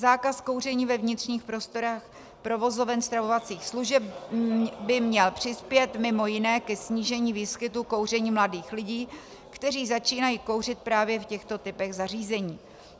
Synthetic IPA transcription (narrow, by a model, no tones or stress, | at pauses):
zaːkasko̞wr̝ɛɲiːvɛvɲɪt̪r̥ɲiːxpɾo̞st̪o̞ɾax | pɾo̞vo̞zo̞vɛnst̪ɾavovat͡siːxsluʒɛp | bɪmɲɛlpr̝̥ɪspjɛt̪mɪmo̞jɪnɛːkɛsɲiːʒɛɲiːviːskɪt̪uko̞wrɛɲiːmladiːxlɪɟiː | kt̪ɛriːzat͡ʃiːnajiːkowr̝ɪt̪̚pɾaːvjɛfcɛxt̪o̞t̪ɪpɛɣzariːzɛɲiː